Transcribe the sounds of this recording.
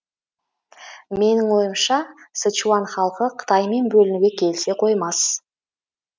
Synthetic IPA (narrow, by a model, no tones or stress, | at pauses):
me̞nɪŋwo̞jəmʃɑsət͡ʃuɑnχɑlˠqəqʰə̥t̪ʰɑjme̞nbɵlɪnuɡʲe̞kʲʰe̞lse̞qʰo̞jmɑs